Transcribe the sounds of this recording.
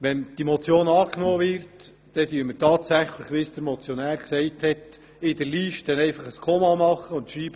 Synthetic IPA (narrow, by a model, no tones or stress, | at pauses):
ʋɛnd̥imɔt͡sjoːnɑːknoːʋɪɾt | d̥ɛdyəɾmətɑːt̪sæχləχʋɪsd̥̪əɾmɔt͡sjonæːɾksɛɪthɛt | ɪdəɾliʃtd̥ɛnɛɪfɑχəskʰomɑmɑχːəʊntʃiːb̥ə